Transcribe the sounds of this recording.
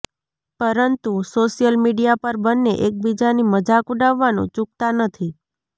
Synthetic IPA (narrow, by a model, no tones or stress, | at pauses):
pəɾənt̪usoʃijəlmiɖijapəɾbənːeʔek̚bid͡ʒaniməd͡ʒakuɖaʋːanṵ̃t͡ʃũk̚t̪anət̪ʰi